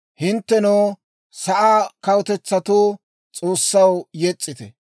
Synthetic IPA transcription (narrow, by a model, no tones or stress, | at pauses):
hɪnt̪ːɛnoː | sɐʔaːkɐwt̪ɛt͡sːɐt̪oː | t͡sʼo̞ːsːɐwjɛt͡sʼːɪt̪ɛ